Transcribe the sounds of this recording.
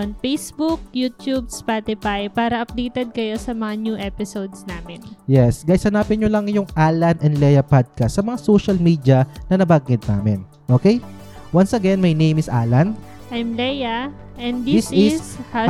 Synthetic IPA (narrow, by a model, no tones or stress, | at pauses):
nfejsbuk̚jut̪jub̚spat̪ɪfajpaːɾɐɐp̚d̪ejt̪ɛd̪̚kɐjo̞sɐmɐŋanjuʔɛpɪsowd̪snaːmɪnjɛsɡɐjsɐnaːpɪnɲolɐŋjʊŋʔalɐnɛnd̪lɛjɐpad̪̚kɐsːɐmɐŋasoʃɐlmiːd̪iɐnɐnɐbaɡːɪd̪̚na̰ːmɪ̰n | ʔoːkej | wansɐɡɛnmɐjnẽjmɪsʔa̰lɐn | ʔɐjmlɛjɐ | ʔɛnd̪d̪ɪsɪha